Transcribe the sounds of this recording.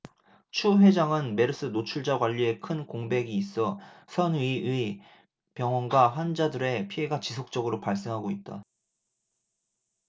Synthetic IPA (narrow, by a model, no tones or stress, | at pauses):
t͡ɕʰuɸwe̞d͡ʑaŋɯnme̞ɾɯs͈ɯnot͡ɕʰuɭd͡ʑaɡwaʎːie̞kʰɯnkoŋbe̞ɡiːs͈ʌsʰʌnɥiɥi | pjʌŋwʌnɡwaɸwand͡ʑadɯɾe̞pʰie̞ɡat͡ɕisʰok̚t͡ɕ͈ʌɡɯɾopaɭs͈e̞ŋɦaɡoit̚t͈a̰